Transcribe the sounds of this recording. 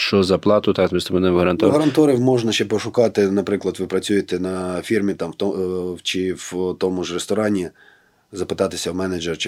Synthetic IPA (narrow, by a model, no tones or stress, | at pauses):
ʃt͡ʃɔzɐplˠɑt̪ʊt̪ɑkzmisɐmɔnɛʋɦɐɾɐnt̪ɔɦɐɾɐntt̪ɔɾiwmɔʒnɐʃt͡ʃɛpɔʃʊkɑt̪ɪnɐpɾɪklˠɐd̪ʋɪpɾɐt͡sʲujɪt̪ɛnɐfʲirmʲit̪ɑmt̪ɔt͡ʃɪwt̪ɔmʊʒrest̪ɔɾɑnʲi | zɐpɪt̪ɑt̪ɪsʲɐwmɛned͡ʒeɾt͡ʃɪ